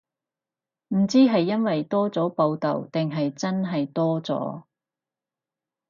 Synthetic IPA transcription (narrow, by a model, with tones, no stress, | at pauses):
m̩˨˩t͡siː˥ɦɐ˨jːɐ˥nwɐ˨jt̪ɔː˥t͡sɔː˨˥po˧wt̪ɐ̰˨˩wt̪ɪ˨ŋɦɐ˨jt͡sɐ˥nɦɐ˨jt̪ɔː˥t͡sɔ̰ː˨˥